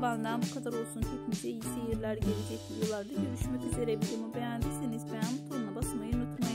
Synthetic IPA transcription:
band̪anbukʰad̪aɾo̞lˠsunt͡ʃʰo̞kmyt̪ʰeijisejiɾlʲæɾɟe̞ɾid͡ʒeclʲijolˠaɾd̪aɟøɾyʃmɛcyze̞ɾebilʲimubejænd̪isenizbejanbut̪ʰoɾunabasmajɯnut̪ʰmaj

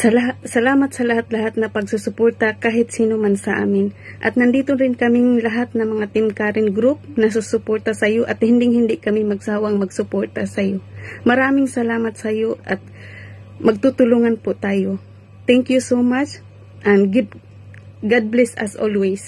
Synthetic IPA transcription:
sɐlaɦatsɐlaːmat̪̚sɐlahat̪̚lɐhat̪̚nɐpɐɡsusʊpoɹt̪akaːɦɪt̪siːnomansɐʔa̰ːmɪnʔɐ̰t̪nɐnd̪iːt̪onɾɪnkɐmɪŋlɐɦat̪̚nɐmɐŋat̪ɪmkaɾɪnɡɾup̚nɐs̬usʊpoɹt̪asɐjoʔɐt̪hɪnd̪ɪŋhɪnd̪ɪʔkɐmɪmɐɡsaːwaŋmɐɡsʊpoɹt̪asɐjomɐɾaːmɪŋsɐlaːmat̪̚sɐjoʔɐt̪̚ | mɐɡ̚t̪ut̪ʊluŋanpʊt̪aːjo | t̪ɛŋkjusowmat͡ʃ | ʔanɡɪp | ɡad̪̚blɛsa̰sʔo̰lwejs

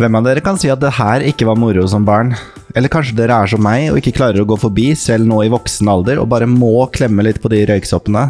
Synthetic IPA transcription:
ʋɛmːɑʋd̪eːɾəkɑnsiːɑt̪̚d̪ɛhæːɾɪkːəʋɑɾmʊɾʊsɔmbɑːɳ | ʔɛlːəɾkʰɑnʂəd̪eːɾəæʂɔmːæɪɔ̰ɪkːəkʰlɑːɾəɾɔɡoːfɔɾbiːsɛlːnoːɪʋɔksənəɑld̪əɾɔ̰bɑːɾəmoːkʰlɛmːəlɪt̪ːpʰɔd̪ɪɾœʏksɔpːənə

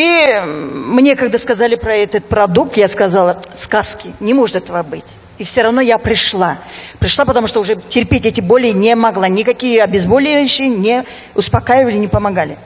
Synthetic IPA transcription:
i | mnʲe̞kaɡ̚d̪askɐzalʲɪpɾɐɛt̪ət̪̚pɾɐd̪uk̚t̪jaskɐzalˠəskaskʲɪnʲɪmoʐɨt̪ɛt̪əvəbɨtʲ | ifsʲoɾɐvno̞japɾʲɪʂlˠapɾʲɪʂlˠapət̪ɐmuʂt̪oʊʐɛtʲɪrpʲetʲɛtʲɪbolʲɪnʲɪmɐɡlˠanʲɪkɐkʲijəɐbʲɪzbolʲɪɕːɪnʲɪ | ʊspɐkajɪvəlʲɪnʲɪpəmɐɡalʲɪ

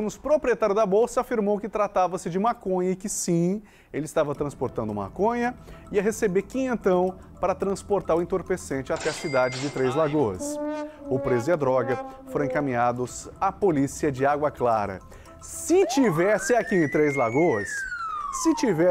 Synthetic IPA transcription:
nʊspɾopɾiet̪aɾjʊd̪ɐbowsɐafiɾmowkɪt̪ɾat̪avɐsɪd͡ʒɪũmakõɲɐɪkɪsĩ | elɪst̪avɐt̪ɾɐ̃spoɾt̪ɐ̃nd̪ʊũma̰kõɲɐɪɐɦesebekĩẽnt̪ɐ̃w̃ | paɾɐt̪ɾɐ̃spoɾt̪aɾʊẽt̪oɾpesẽnt͡ʃɪat̪ɛɐsid̪ad͡ʒɪd͡ʒɪt̪ɾejzlaɡoɐ̰sʊpɾezʊɪɐd̪ɾɔɡɐfoɾɐ̃ẽkamĩɲad̪ʊsapolisiɐd͡ʒɪaɡwɐklaɾɐ̰ | sɪt͡ʃivɛsɪakiẽt̪ɾejzlaɡoɐsː | ɪt͡ʃivɛ

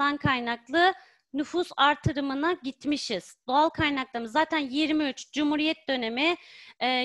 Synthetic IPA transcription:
ankʰajnaklˠɯ | nyfusaɾt̪ʰɯɾɯmɯnaɟit̪miʃiz̥d̪̥o̞alˠkʰajnak̚lˠamɯzːaːt̪ʰænjiɾmiyt͡ʃd͡ʒumhuɾijɛt̪̚d̪ø̞ne̞miː

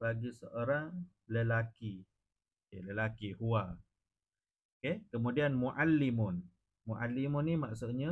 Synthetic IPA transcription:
baɡisəʔoɾaŋ | ləlaki | keləlakihua | okekəmudianmuʔalːimʊn | muʔalimʊnimaʔsuʔ̪ɲa

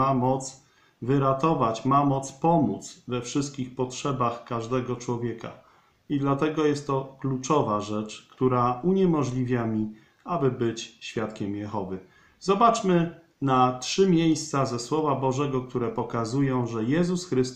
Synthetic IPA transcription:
amɔt̪s | vɘɾat̪ɔvat͡ɕmamɔt̪spɔmut̪svɛfʂɘst̪̚kʲixpɔtʂɛbaxkaʐd̪ɛɡɔt͡ʂwɔvʲjɛka̰ | id̪lat̪ɛɡɔjɛst̪ːɔklut͡ʂɔvaʐɛt͡ʂkt̪uɾauɲɛmɔʐlʲivʲjamʲi | abɘbɘt͡ɕɕfʲjat̪kʲɛmjɛxɔvɘ | zɔbat͡ʂmɘ | natʂɘmʲjejst̪sazɛswɔvabɔʐɛɡɔkt̪uɾɛpɔkazujɔ̃w̃ʐɛjɛzusxɾɘst̪

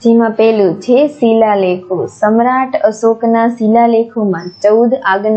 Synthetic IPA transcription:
d͡ʒemãpɛɦlũt͡ʃʰesilalekʰosəmɾaʈʰəsoknasilalekʰomãt͡ʃəud̪aɡn

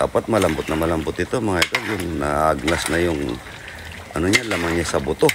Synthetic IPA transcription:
a̰ːpat̪̚mɐlɐmbʊt̪̚nɐmɐlɐmbʊt̪̚ɪt̪omɐŋaʔɪd̪owjʊŋna̰aʔaɡ̚nasnɐjʊŋ | ʔɐnoɲalaːmaŋɲasɐbʊt̪o

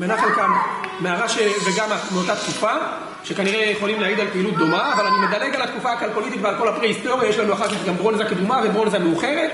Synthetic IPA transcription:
menaχankammeaʁaʃeveɡamameo̞t̪at̪kufa | ʃe̞kaniʁejeχo̞limleaːɡid̪alpeilut̪̚d̪o̞maːvalanimed̪aleɡalat̪kufaakalko̞lit̬it̪vealko̞lapʁehist̪o̞ʁjajeʃlanuaχaʁkaχɡambʁo̞nzaked̪umavebʁo̞nzameuχe̞ʁet̪

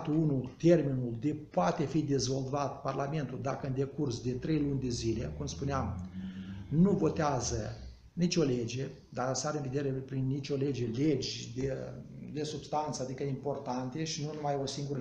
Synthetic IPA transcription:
t̪uunult̪e̞rminuld̪e̞poat̪e̞fid̪e̞zo̞lvat̪parlame̞nt̪uld̪akəɨnd̪e̞kursd̪e̞t̪ɾe̞jlunʲd̪e̞zile̞kumspuneam | nuvo̞t̪eazə | nit͡ʃʲo̞led͡ʒe̞ | d̪asəaɾeɨnve̞d̪eɾe̞pɾinːit͡ʃʲo̞le̞d͡ʒe̞led͡ʒʲd̪ed̪e̞subst̪ant̪səad̪ikəimpo̞rt̪ant̪e̞ʃinunumajo̞siŋɡuɾə

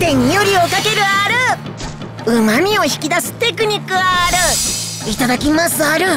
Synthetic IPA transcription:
t̪e̞ɲ̟ijoɾʲio̞kake̞ɾɯ̟aɾɯ̟ | ɯ̟mamʲio̞çi̥kʲid̪asɨ̥t̪e̞k̬ɯ̟ɲ̟ʲikːɯ̟aːɾɯ̟ | it̪ad̪akʲimasɨaɾɯ̟

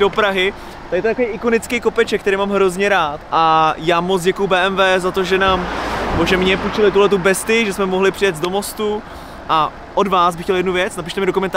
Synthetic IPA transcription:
o̞pɾaɦɪ | t̪adɪt̪t̪akovejʔɪkonɪt͡skɛjko̞pɛt͡ʃɛkt̪ɛɾijmaːmɦɾo̞zɲɛɾaːt̪ʔajaːmot͡sɟɛkujubɛːʔɛmvɛːzat̪o̞ʒɛnaːmnɛboʒɛmɲɛput͡ʃɛlɪt̪̬uɦlɛt̪ubɛst̪ɪʒɛsmɛmoɦlɪpr̥ɪjɛd͡zdo̞mo̞st̪u | ʔa | ʔodvaːsbɪxcɛljɛdnuvjɛt͡snap̬iʃt̪ɛmɪdokomɛnt̪a

